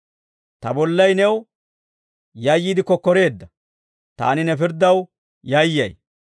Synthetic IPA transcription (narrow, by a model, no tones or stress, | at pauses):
t̪ɐbɔlːɐjnɛw | jɐjːiːd̪ɪkːɔkːɔɾe̞ːd̪ːɐ | t̪a̰ːnɪnɛfɪɾd̪ːɐw | jɐjːɐj